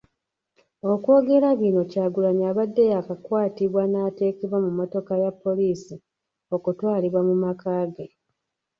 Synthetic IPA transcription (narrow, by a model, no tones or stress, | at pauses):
o̞kwo̞ːɡe̞ɾaβino̞caːɡulaɲaβadːejakakwaːtiβwanaːte̞ːkeβwamumoto̞kajapːo̞liːsi | okutwaːliβwamumakaːɡe